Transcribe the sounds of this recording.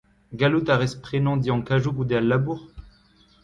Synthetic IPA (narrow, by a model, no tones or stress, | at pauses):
ɡalut̪aʁɛspχenɑ̃d̪iɑ̃kaʒukud̪ealːabuʁ